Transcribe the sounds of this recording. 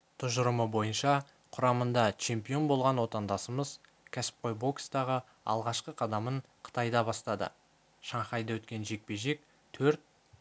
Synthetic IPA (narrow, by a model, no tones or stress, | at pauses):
t̪ʰʊʒʊɾəməbo̞jənʃɑ | qʰʊɾɑmənd̪ɑt͡ʃʰe̞mpijo̞nbo̞lˠʁɑnwo̞t̪ɑnd̪ɑsəməz | kʲʰæsɪ̥p̚qʰo̞jbo̞ksd̪ɑʁə | ɑ̰lˠʁɑʃqəqʰɑd̪ɑməɴqʰə̥t̪ɑjd̪ɑbɑst̪ɑd̪ə̰ | ʃɑɴχɑjd̪ɑwɵt̪kʲe̞nʒe̞k̚pe̞ʒe̞k̚ | t̪ʰɵɾt̪̚